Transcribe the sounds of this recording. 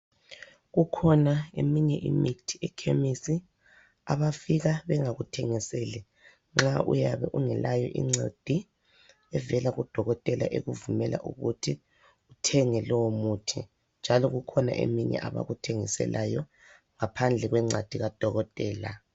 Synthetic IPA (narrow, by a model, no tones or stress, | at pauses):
ɣukʰɔnaemiɲɛʔimitʰiɛkʰemisi | aβafiɣaβɛŋaɣutʰɛŋiselɛ | ŋ͡ǁaʔṵjaβɛʔuŋɛlajɔʔḭŋ͡ǀḛd̥ʱi | ɛvɛlaɣud̥ʱɔɣɔtʼɛla̰ʔeɣuvumɛla̰ʔṵɣutʰi | utʰɛŋɛlɔwomutʰḭ | nd͡ʒʱalɔɣukʰɔna̰ʔḛmiɲɛ̰ʔaβa̰ɣutʰeŋisɛ̰lʔajɔ | ŋapʰand͡ɮʱɛɣwɛŋ͡ǀad̥ʱiɣad̥ʱɔɣɔtʼɛːla